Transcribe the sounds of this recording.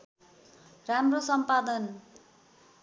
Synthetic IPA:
ramrosʌmpad̪ʌn

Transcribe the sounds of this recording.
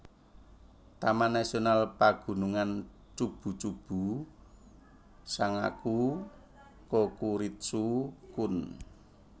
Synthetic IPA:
t̪amanasionalpaɡ̥ṳnuŋan | t͡ʃub̥ṳt͡ʃub̥ṳ | saŋa̰ku | kɔkuɾit̪̚sukʊn

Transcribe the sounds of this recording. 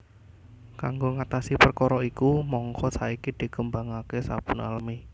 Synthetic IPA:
kaŋɡoŋat̪asipərkɔɾɔikumɔŋkɔsaikid̪̥i̤kəmbaŋakesa̰pʊna̰lmi

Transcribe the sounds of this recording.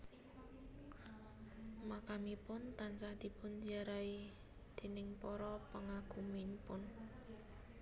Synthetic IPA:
makamipʊnt̪ant͡ʃahd̪̥i̤pʊnd͡ʒiaɾai | d̪̥e̤nɪŋpɔɾɔpəŋakuminpʊn

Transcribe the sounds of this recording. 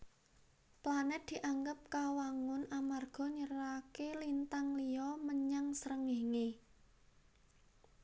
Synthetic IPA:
planɛt̪̚d̪̥i̤ʔaŋɡəp̚kawaŋʊnamarɡ̥ɔ̤ɲəɾakelint̪aŋlijɔməɲaŋsəɾəŋeŋe

